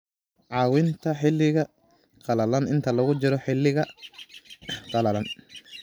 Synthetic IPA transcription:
ʕɑːwɪnt̪ʰɐħɪlːɪɣɐ | qɑlɐlɐnɪnt̪ʰɐlɐɣʊt͡ʃɪɾɔħɪlːɪɣɐ | qɑlɐlɐn

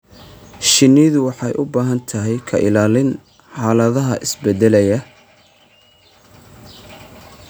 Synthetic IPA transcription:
ʃɪniːðʊwɑħɑjʔʊbaːɦɐnt̪ʰɐɦɛjkʰɐʔɪlaːlɪn | ħɑːlɐðɐɦɐʔɪsbɛd̪ɛlɛjɐ

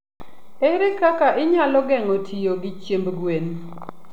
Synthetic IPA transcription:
eɾekakaʔɪɲalɔɡɛŋotʰijoɡɪt͡ʃjembɡwen

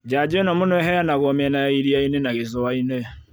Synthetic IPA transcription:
d͡ʒad͡ʒenɔmʊnɔɛɦɛjanaɣɔmɛnaiɾiainenaɣezɔwaine

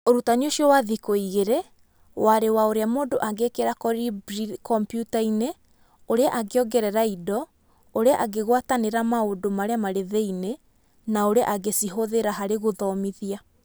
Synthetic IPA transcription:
oɾutaɲioʃiɔwaðikoiɣeɾe | waɾewaoɾeamoːdoʔaɡekeɾakɔɾibɾikɔmpjutaine | oɾeaʔaɡeɔɡɛɾɛɾaidɔ | oɾeaʔaɡeɣwataneɾamaodomaɾeamaɾeðeine | naoɾea̰ʔaɡesiɦoðeɾaɦaɾeɣoðɔmiðia

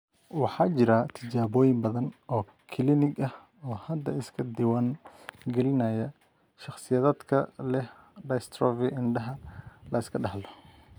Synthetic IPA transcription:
wɑħɑːt͡ʃɪɾat̪ʰɪt͡ʃaːβɔːjɪmbɐðɐnɔː | kʰɪlɪnɪɡɐh | ɔːhɐd̪ɐɪskʰɐd̪ɪwaːŋɡɛlɪnɐːjɐ | ʃɑχsɪjɐːðaːd̪kʰɐlɛh | ɖɐjst̪ʰɾɔːvɪʔɪnɖɐɦɐlɐɪskʰɐɖɐhlɔ

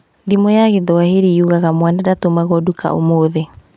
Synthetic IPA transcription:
ðimɔjaɣeðɔaheɾiuɣaɣamwanadatomaɣɔduka̰ʔo̰moðe

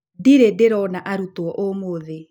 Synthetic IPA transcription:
diɾedeɾɔnaʔaɾutwɔʔomoðe

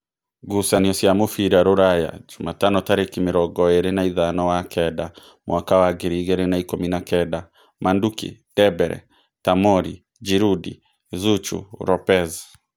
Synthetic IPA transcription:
ɡusaniɔsjamofiɾaɾoɾaja̰d͡ʒumatanɔtaɾekimeɾɔɡɔeɾenaiðanɔwakʰɛda | mwakawaɡeɾiɣɛɾenaikominakɛda | mandukḭd̥ɛbɛɾɛ̰ | tamɔɾi | d͡ʒiɾudḭ | zut͡ʃṵɾɔpɛz

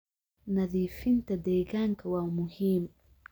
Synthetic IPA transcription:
naðifint̪ad̪eɡaŋkawawmuhim

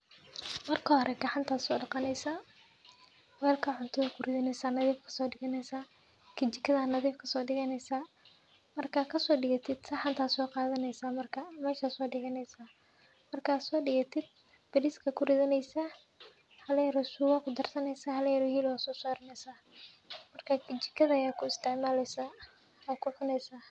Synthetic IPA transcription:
mɐrkʰɐhɔɾʔɛɡɐħant̪ʰaːsɔːɖɑqɑnɛjsa | wɛːlkʰɐʕʊnt̪ʰɐðɐkʰʊrɪðɐnɛjsaːnɐðiːfkʰɐ̥sɔːɖɪɣɐnɛjsaː | kʰɪt͡ʃɪkʰɐðaːnɐðiːfkʰɐsɔːɖɪɣɐnɛjsaː | mɐrkʰaːkʰɐsɔːɖɪɣɐt̪ʰɪd̪̥sɐħant̪ʰaːsɔːqɑːðɐnɛjsaːmɐrkʰɐmaːʃaːsɔːɖɪɣɐnɛjsaː | mɐrkʰɐːsɔːɖɪɣɐt̪ʰɪd̪̚ | b̥ɐɾiskʰɐkʰʊɾɪðɐnɛjsa | hɐlɛjɐɾɔsʊːɣɐkʰʊd̪ɐrsɐnɛjsaːhɐlɛjɐɾɔhiːlwaːsɔːsaːɾɐnɛjsaː | mɐrkʰakʰɪt͡ʃɪ̥kʰːɐðɐːjaːkʰʊɪst̪ɛʕmaːlɛjsa | ɔːkʰʊʕʊnɛjsaː

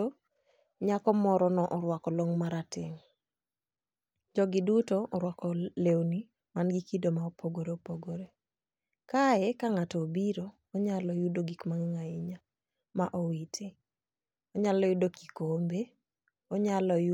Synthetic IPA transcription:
o | ɲakɔmɔɾɔnɔʔɔɾwakɔloŋmaɾatɪ̰ŋ | d͡ʒɔɡɪdutoɔɾwakɔlewni | manɡikidomaopʰoɡoɾeopoɡoɾe | kaɛkaŋatɔːbiɾoːɲalɔjudoɡikmaŋŋaɪɲa | maʔɔwitʰɪ | ɔɲalɔjudokikombe | ɔɲalɔju

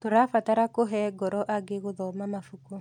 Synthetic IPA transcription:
toɾafataɾakoɦɛɡɔɾɔʔaɡeɣoðɔmamafuko

